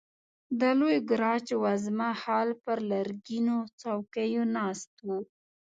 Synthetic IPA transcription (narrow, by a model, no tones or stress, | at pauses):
d̪əlojɡɾɑt͡ʃwazmahɑlpəɾlaɾɡinot͡sawkəjonɑst̪wu